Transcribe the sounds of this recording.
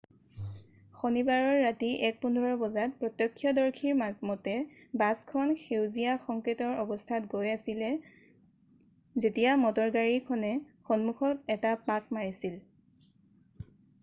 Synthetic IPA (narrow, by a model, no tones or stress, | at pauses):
xonibaɹɔɹːatiʔɛk̚pundʱɔɹɔbɔzat̚pɹɔtjɔkʰːjɔdɔɹkʰiɹmamɔtɛbaskʰɔnxewzijaxɔŋketɔɹɔbɔstʰatɡojasilɛ | zetijamɔtɔɹɡaɹikʰɔnɛxɔnmuxʰɔtɛtapak̚maɹisil